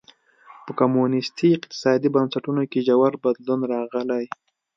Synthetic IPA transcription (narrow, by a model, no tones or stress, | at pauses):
pəkamunɪst̪ʰiɪq̚t̪ɪ̥sɑd̪ibansaʈunokeʒawaɾbad̪lunɾɑɣəlaj